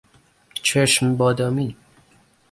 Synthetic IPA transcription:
t͡ʃʰeʃmbɔːd̪ɔmi

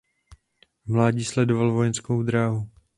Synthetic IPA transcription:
mlaːɟiːslɛdo̞valvo̞jɛnskowd̪ɾaːɦu

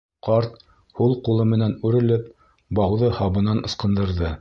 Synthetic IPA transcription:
qɑɾt̪̚ | hulˠqulˠɤmɘ̆nænʉɾɘ̆lɘp̚ | bɑwðɤhɑβɤ̆nɑnɤ̆sqɤ̆nd̪ɤ̆ɾðɤ

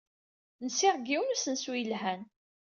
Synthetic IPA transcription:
nsɪʁɡiwmsənswijəlɦæn

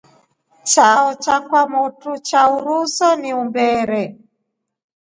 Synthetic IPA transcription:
t͡ʃaɔt͡ʃakwamutut͡ʃauɾusɔniumbɛɾɛ

